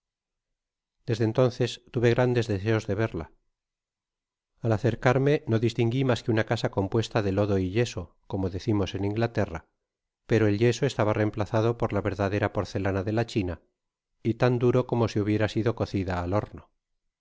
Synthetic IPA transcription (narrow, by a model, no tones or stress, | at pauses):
d̪̥e̞zðent̪o̞nθe̞st̪uβe̞ɣ̞ɾand̪e̞zðese̞o̞zðe̞β̞e̞ɾla̰ | alaθe̞ɾkaɾme̞no̞ðist̪iŋɡimaskeunakasako̞mpwe̞st̪aðe̞lo̞ðo̞iʎe̞so̞ | ko̞mo̞ðe̞θimo̞se̞nĩŋɡlat̪e̞ra̰ | pe̞ɾo̞e̞lʎe̞so̞est̪aβare̞mplaθað̞o̞po̞ɾlaβe̞ɾðaðe̞ɾapo̞ɾθe̞lanaðe̞lat͡ʃina | it̪and̪uɾo̞ko̞mo̞siuβ̞je̞ɾasiðo̞ko̞θiðaːlo̞ɾno